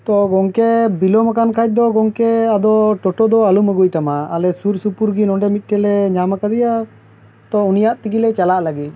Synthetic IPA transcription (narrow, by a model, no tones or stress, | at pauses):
t̪ɔɡɔŋkɛbilɔmakankʰac̚ˀd̪ɔɡɔŋkɛad̪ɔʈɔʈɔd̪ɔaluməɡujt̪amaːlɛsuɾsupuɾɡinɔɳɖɛmit̪̚ˀʈɛlɛɲamakad̪ija | t̪ɔunijaʔt̪ikilɛt͡ʃalaʔlaɡit̪̚